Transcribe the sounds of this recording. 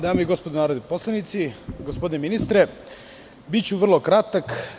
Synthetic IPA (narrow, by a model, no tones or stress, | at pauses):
d̪aːmoiɡospod̪onaːɾod̪eposlˠanit̪siɡospod̪ineminist̪ɾe | bit͡ɕuʋr̩lˠo̞kɾat̪ak